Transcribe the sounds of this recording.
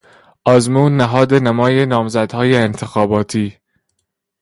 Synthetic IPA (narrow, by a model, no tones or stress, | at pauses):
ʔɒːzmuːnːæɦɒːd̪e̞næmɒːjenɒːmzæd̪hɒːjeːnt̪ʰexɒːbɒːt̪ʰiː